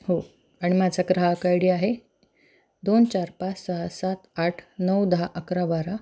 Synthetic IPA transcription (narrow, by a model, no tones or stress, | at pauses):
ho | aɽ̃imad͡zaɡɾaɦakajɽiːaɦe | d̪ont͡ɕaɾpat͡ssaɦasat̪aʈʰnəwd̪ɦaʔəkɾaʋaɾa